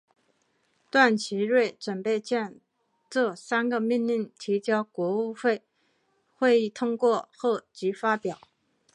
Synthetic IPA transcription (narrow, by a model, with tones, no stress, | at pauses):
t̪wa˥˩nt͡ɕʰi˧˥ɻwe˥˩ɪʈ͡ʂə˨˩npe˥˧ɪt͡ɕjɛ˥˧n | ʈ͡ʂɤ˥˩sa˥nɡə˨mi˥˧nli˥˩ŋt̪ʰi˧˥t͡ɕjɑ˥ʊkwɔ˧˥u˥˧xe˥˩ɪ | xwe˥˧ɪi˥˩t̪ʰʊ˥ŋkwɔ˥˧xɔ˥˩t͡ɕi˧˥fa˥pjɑ˨˩˦ʊ